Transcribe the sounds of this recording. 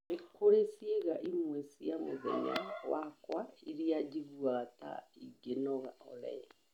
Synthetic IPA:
ekʰoɾesjeɣaʔimwesijamṵðḛɲa̰ɣwakwaiɾijad͡ʒiβuaɣata̰iɡenɔɣaɔlɛ̰

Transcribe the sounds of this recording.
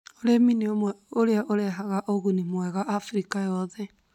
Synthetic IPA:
oɾeminiomwɛoɾeaʔoɾɛɦaɣaʔoɣunimwɛɣaʔːfɾikajɔðɛ

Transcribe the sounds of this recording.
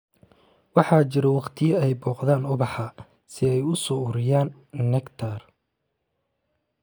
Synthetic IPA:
wɑħɑːt͡ʃɪɾɛwɑqt̪ʰɪjɐɛjbɔːqðaːnʊβɑħɑ | sɪɛjʊsɔːʊɾɪjaːnːɛkt̪ʰar

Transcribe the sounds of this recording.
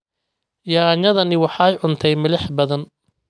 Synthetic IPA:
jɑɲɐðɐnɪwɑħɑjʕʊnt̪ʰɛjmɪlɪħbɐðɐn

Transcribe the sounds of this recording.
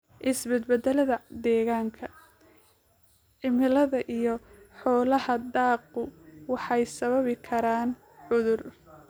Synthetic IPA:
ʔɪsbɛd̪bɛd̪ɛlɐðɐd̪ɛːɣaːŋkʰɐ | ʕɪmɪlɐðɐʔijɔħɔːlɐɦɐd̪aːq̚ʊwɑħɑjsɐβɐβɪkʰɐɾaːn | ʕʊðʊr

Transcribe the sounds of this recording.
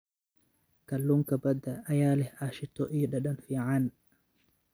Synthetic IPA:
kɐlːuŋkʰɐbɐd̪ɐʔːjaːlɛhaːʃɪt̪ʰɔʔiɗɐɗɐnfiːʕan

